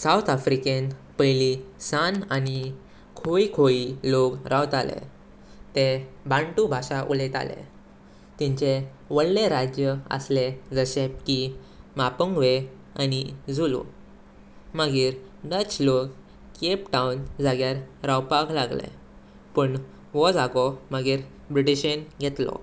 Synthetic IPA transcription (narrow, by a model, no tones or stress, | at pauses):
sawt̪ʰafɾikenpəjlisanani | kʰoikʰoilokɾawt̪alḛ | t̪ebʱãɳʈubʱaʂaʔulet̪a̰lḛ | t̪ĩɲt͡ɕe | ʋəɽleɾad͡ʑjəə̰sled͡zəɕep̚ki | mapəŋɡʋe | anid͡zulṵ | məɡiːɾnət͡slok | kepʈaund͡zaɡjaɾɾawpaklaɡlḛ | pəɳ | ʋɔd͡zaɡɔməɡiːɾ | bɾiʈiɕənɡʱɛt̪lɔ̰